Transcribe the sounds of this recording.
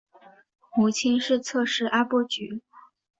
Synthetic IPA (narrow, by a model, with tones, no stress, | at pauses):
xu˧˥t͡ɕʰi˥nʂɻ̩˥˧t͡sʰɤ˥˧ʂɻ̩˥˩ʔa˥pwɔ˥˩t͡ɕy̰˧˥